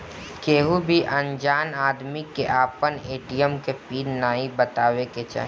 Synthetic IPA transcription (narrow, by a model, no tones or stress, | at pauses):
keːɦubʱiʔɐ̃nd͡ʒaːnaːd̪mikeʔaːpəneːʈijəmkepiːɾnaːibət̪aːʋeket͡ʃa̰ːɦ